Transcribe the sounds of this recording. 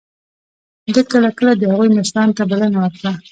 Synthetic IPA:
d̪əkəlakəlad̪əhaɣujmaʃɾɑnt̪abalanawaɾkɽa

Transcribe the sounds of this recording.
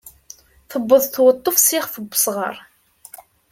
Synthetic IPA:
θəbːəðˤθwət̪ˤːofsɪχfəbːə̥sʁə̰ɾˤ

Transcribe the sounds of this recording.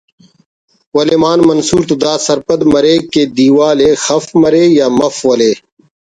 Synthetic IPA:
wɐlemaːnmɐnsuːɾt̪ud̪aːsɐɾpɐd̪mɐɾeːked̪iːwaːleːxɐfmɐɾeːjaːmɐfwɐleː

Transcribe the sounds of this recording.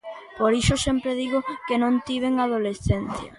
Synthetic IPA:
poɾiʃosempɾeðiɣʊkenõnt̪iβ̞eŋað̞olesθenθjɐ̰

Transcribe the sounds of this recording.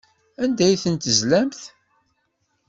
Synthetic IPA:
ænd̪æjθənt̪əzlæmθ

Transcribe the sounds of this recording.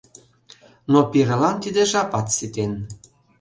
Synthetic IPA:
nopiɾə̆lɑnt̪id̪eʒɑpɑt̪sit̪en

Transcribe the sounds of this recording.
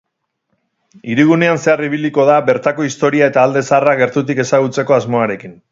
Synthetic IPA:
iɾiɣ̞une̞anse̞ariβ̞iliko̞ðaβe̞ɾt̪ako̞ist̪o̞ɾiae̞t̪aːld̪e̞saraɣ̞e̞ɾt̪ut̪ike̞saɣ̞ut͡se̞ko̞azmo̞aɾe̞kin

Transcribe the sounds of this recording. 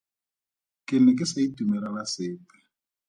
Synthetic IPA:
kʼɪnɛk̬ʼɪsaitumɛlalasɪːpɛ̥

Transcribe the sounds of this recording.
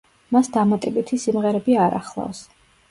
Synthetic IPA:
masd̪amat̪ʼɛbit̪ʰisimʁɛɾɛbiaɾa̰χlˠa̰fs

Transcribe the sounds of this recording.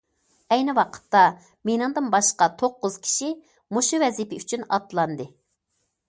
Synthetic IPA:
ɛjnɪwɑqʰə̥t̪ːɑ | menɨŋd̪ɨnbɑʃqɑt̪ʰoqːʊz̥kʲʰi̥ʃi | muʃuvɛzipɪyt͡ʃʰynɑ̰t̪lˠɑnd̪ɨ

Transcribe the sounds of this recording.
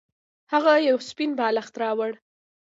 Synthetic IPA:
haɣajawspinbɑlaxt̪ɾɑwəɽ

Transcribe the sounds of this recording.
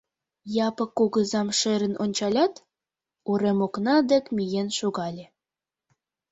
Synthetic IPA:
jɑpɤ̆kːuɣə̆zɑmʃĕɾə̆nʔonʲt͡ɕɑlʲɑt̪ | uɾemoknɑd̪ĕkmʲijenʃuɣɑlʲe

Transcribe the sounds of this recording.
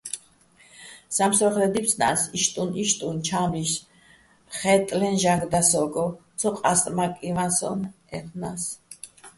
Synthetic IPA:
samsɾɔχlɛd̪ipʰsʰna̰siʃt̪ʼuniʃt̪ʼunt͡ʃʰamiʃ | χɛt̪ʼlɛnʒaɡd̪asɔɡɔt̪sʰɔqʼast̪ʼɾmakʼivansɔ̰n | ɛ̰χʰnas

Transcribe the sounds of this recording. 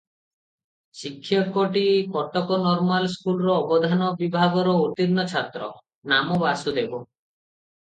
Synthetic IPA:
sikʰːjɔkoʈikɔʈɔkɔnɔɾmalskulɔɾɔːbɔd̪ʱanɔbibʱaɡɔɾɔot̪iɾnɔt͡ʃʰat̪ɾɔ̰ | namɔbasud̪ebɔ

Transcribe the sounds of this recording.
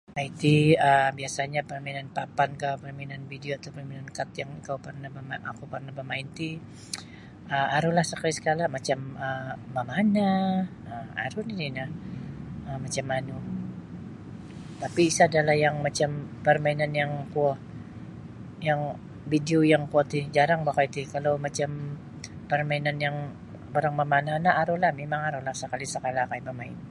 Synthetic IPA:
ait̪iəbiasaɲapərmainanpapankapərmainanbideoat̪awpərminankat̪̚jaŋkawpərnahbəmaa̰kupərnahbəmaɪnt̪i | ʔəaɾulahsakalisə̥kalamat͡ʃaməːamana | əa̰ɾunininah | əmat͡ʃamːanu | t̪apiːsaːdalahjaŋmat͡ʃampərmainanjaŋpuɔh | jaŋ | bideojaŋpuɔt̪id͡ʒaɾaŋbakait̪ikalowmat͡ʃam | pərmainanjaŋ | baɾaŋmamananaʔːɾulahmemaŋaɾulahsəkalisəkalakajmamaɪn

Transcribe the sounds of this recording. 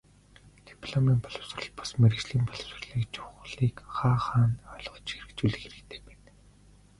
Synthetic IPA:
t̪ipʰɮɔmiːnpɔɮɞ̆ws̆rɞ̆ɮpɔ̥smeɾɘ̆ɣt͡ɕɮiːmpɔɮws̆rɮiːkt͡ɕʰʊwχɮiːkχaːχaːnœɮʁ̥ɞ̆t͡ɕxeɾɘ̆kt͡ɕuɮɘ̆xeɾɘ̆kt̪ʰe̥ːpet̪

